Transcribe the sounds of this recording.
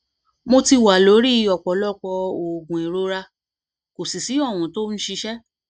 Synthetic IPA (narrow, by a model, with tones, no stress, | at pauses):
mo˧ti˧wa˨lo˨˦ɾi˦˧ɔ˨k͡pɔ˨˦lɔ˦k͡pɔ˧o˨ɡũ˨e˨ɾo˧˦ɾa˧ | ko˨si˨si˨˦ɔ˦˨wũ˨to˦n̩˦ʃi˧ʃɛ˦